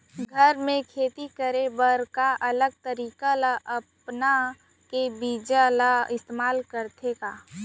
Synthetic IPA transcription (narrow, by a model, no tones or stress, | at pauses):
ɡʱəɾmẽkʰeːt̪ikəɾebəɾkaʔɐləɡ̚t̪əɾiːkalaʔəpna | kebiːd͡ʒalaɪst̪eːmaːlkəɾt̪ʰekaː